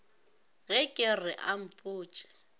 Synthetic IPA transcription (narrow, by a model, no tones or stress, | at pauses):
ɣɛkʼɪrɪʔam̩pʼuːt͡ʃʼɪ̥